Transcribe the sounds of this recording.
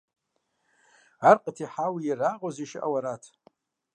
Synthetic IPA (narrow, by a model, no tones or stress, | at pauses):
arqʼətʰiħawiiraqʼoziʃʔa̰waɾatʰ